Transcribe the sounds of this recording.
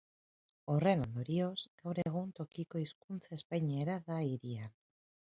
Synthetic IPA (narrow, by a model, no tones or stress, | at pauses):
o̞re̞no̞nd̪o̞ɾio̞zɡ̥awɾeɣ̞unt̪o̞kiko̞iskunt͡sae̞spajɲeɾaðaiɾia